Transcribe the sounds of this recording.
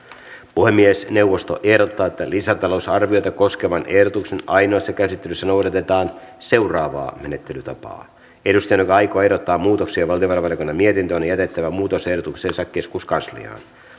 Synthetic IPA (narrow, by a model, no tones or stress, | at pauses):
puhemːiesne̞uwʋost̪oʔe̞hdot̪ːɑːet̪ːælisæt̪ɑlousɑrʋiojt̪ɑko̞skeʋɑnʔe̞hdot̪ukse̞nɑjnoɑsːɑkæsit̪ːelysːænowdɑt̪e̞t̪ɑːn | se̞wrɑːʋɑ̰ːmenet̪ːelyt̪ɑpɑ̰ː | edust̪ɑjɑnokɑɑjkoːedot̪ːɑːmuːt̪oksiɑʋɑlt̪ijoʋɑrɑʋɑlikonːɑmiet̪int̪øonejæt̪e̞t̪ːæʋæmuːt̪o̞se̞hdot̪ukseːnsɑkːe̞skuskɑnslḭɑ̰ːn